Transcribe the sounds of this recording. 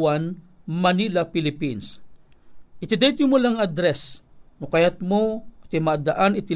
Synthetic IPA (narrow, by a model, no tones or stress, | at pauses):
wanmɐnilɐpɪlɪpins | ʔɪt̪ɪd̪ɛjt̪ʊmolaŋad̪ɾɛsnokɐjat̪̚mot̪ɪmad̪ɐʔanɪt̪ɪ